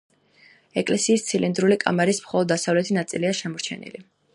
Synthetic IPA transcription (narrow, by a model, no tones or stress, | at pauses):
ɛkʼlɛsiːst̪sʰilind̪ɾulikʼa̰maɾismχɔlˠɔd̪ːasavlɛt̪ʰinat̪sʼiliaʃɛmɔɾt͡ʃʰɛ̰nḭli